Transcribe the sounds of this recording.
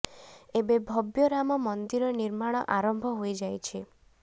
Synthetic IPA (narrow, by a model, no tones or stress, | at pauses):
ebebʱɔbjɔɾamɔmɔnd̪iɾɔniɾmaɽ̃ɔʔaɾɔmbʱɔɦojd͡ʒajt͡ʃʰi